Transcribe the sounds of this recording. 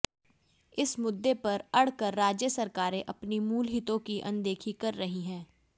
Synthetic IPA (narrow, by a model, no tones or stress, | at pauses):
ɪsmʊd̪ːepɐɾɐɽ̤kəɾːaːd͡ʒjəsɐɾkaːɾẽʔɐpnimuːlɦɪt̪õkiʔɐ̰̃nd̪eːkʰikɐɾːɐɦiɦɛ̃ː